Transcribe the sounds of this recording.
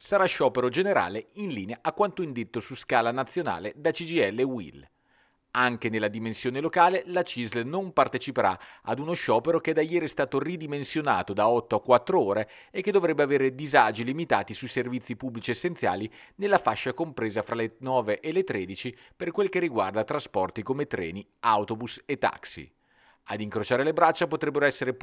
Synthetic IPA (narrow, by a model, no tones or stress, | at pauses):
saɾaʃɔːpeɾod͡ʒeneɾa̰ːleinliːneaʔakːwant̪oind̪et̪ːosuskaːlanat̪sːjona̰ːled̪at͡ʃid͡ʒiɛlːewḭl | aŋk̟enelːad̪imensjoːnelokaːlelat͡ʃizlnompart̪et͡ʃipeɾa̰a̰d̪unoʃɔːpeɾok̟ed̪ajɛːɾist̪aːt̪orid̪imensjona̰ːt̪od̪aɔt̪ːoakːwat̪ːɾooːɾe | ekːed̪ːovɾɛbːeaveːɾed̪izaːd͡ʒilimit̪aːt̪isujservit̪sːipubːlit͡ʃiesːent̪sja̰ːlinelːafaʃːakompɾeːzafɾalenɔːveʔelet̪ːɾeːd̪it͡ʃi | perkwelk̟erːiɡward̪at̪ɾaspɔrt̪ikomet̪ɾɛ̰ːni | awt̪obuset̪ːa̰ksḭ | ad̪iŋkɾot͡ʃaːɾelebɾat͡ʃːapot̪ɾɛbːeɾoɛsːeɾe